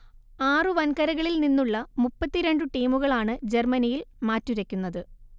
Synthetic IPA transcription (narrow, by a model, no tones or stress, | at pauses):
aːrɨʋɐnkɐɾɐɣɐɭilninːuɭːɐmupːɐt̪ːiɾe̞ɳɖɨʈiːmuɣɐɭaːɳɨd͡ʑe̞rmɐnijilmaːtːuɾɐkʲːunːɐðɨ